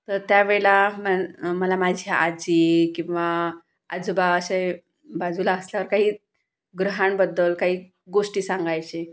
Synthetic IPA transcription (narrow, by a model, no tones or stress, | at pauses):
t̪əɾt̪jaʋelamaməlamad͡ʑʱjaʔad͡ʑiːkĩw̃ʋa | ad͡zubaəɕa | bad͡zulaəsljaʋəɾkaɦiː | ɡɾəɦaɳbəd̪ːəlkaɦiː | ɡoʂʈiːsaŋɡajt͡ɕe